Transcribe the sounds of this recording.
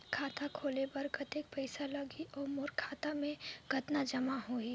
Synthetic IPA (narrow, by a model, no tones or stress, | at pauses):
kʰaːt̪akʰoːlebɐɾɡɐt̪ek̚pɛɪsalɐɡiʔɔːɾmoːɾkʰaːt̪amẽɡ̥ʱɐt̪nad͡ʒɐmaɦoi